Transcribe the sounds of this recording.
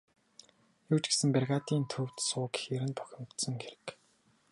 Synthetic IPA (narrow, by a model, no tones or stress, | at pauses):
juːt͡ɕɡesɘ̆mperɣaːt̪iːnt̪ʰɵw̥t̪sʊːkxeɾɘ̆np̪ʰœ̥xʲɪ̆mt̪sɞ̆ŋxeɾɘ̆k